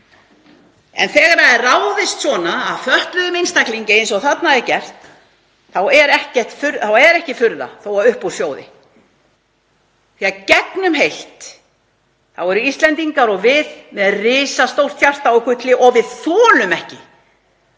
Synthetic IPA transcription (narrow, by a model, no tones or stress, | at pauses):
ɛ̰nθɛːɣaɾaɛrraːwðɪst̪svɔːnaːðfœht̪lʏðʏmejnst̪akliɲcɪejns̬ɔɣθat̪naðɛɾcɛr̥t̪ | θawɛɾɛhcɛr̥t̪fʏɾθawɛɾɛhcɪfʏɾða̰θowaʏhpusjoːwðɪ̰ | θiacɛknʏmɦejl̥t̪ | θawɛɾʏist̪lɛnt̪iŋkaɾɔvɪðmɛðrɪːsast̪owl̥t̪ʰçar̥t̪aɔkʏt̪lɪʔɔɣvɪðθɔːlʏmɛhcɪ